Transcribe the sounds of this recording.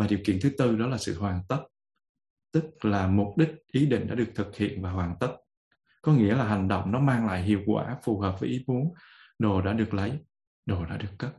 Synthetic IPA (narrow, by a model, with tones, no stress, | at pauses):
vaː˨˩ɗi˨˩əwkḭ˧˨ənt̪ʰɨ˨˦t̪ɨ˧ɗɔ˨˦laː˨˩sɨ̰˧˨hwaː˨˩nt̪ə˦˥t̚ | t̪ɨ˦˥k̚laː˨˩mʊ˨˩p̚ɗï˦˥k̟̚ʔi˨˦ɗḭ̈˧˨ŋ̟ɗa̰ː˧˥ɗɨ˨˩ək̚t̪ʰɨ˨˩k̚hḭ˧˨ənvaː˨˩ɦwaː˨˩nt̪ə˦˥t̚ | kɔ˨˦ŋḭ˧˥əlaː˨˩ɦa˨˩jŋ̟ɗo̰˧˨wŋ͡mnɔ˨˦maː˧ŋla̰ː˧˨jɦḭ˧˨əwkwa̰ː˧˩fu˨˩həː˨˩p̚vəː˨˦jʔi˨˦mu˨˦əŋ | ɗo˨˩ɗa̰ː˧˥ɗɨ˨˩ək̚lə˨˦j | ɗo˨˩ɗa̰ː˧˥ɗɨ˨˩əkːə˦˥p̚